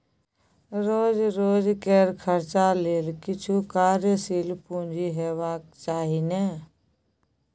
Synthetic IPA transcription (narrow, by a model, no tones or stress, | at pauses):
ɾoːd͡ʒɾoːd͡ʒkeɾkʰəɾt͡ʃaleːlkɪt͡ʃʰukaːɾjəsiːlpũːɲd͡ʒiɦewaːk̚t͡ʃaːɦineː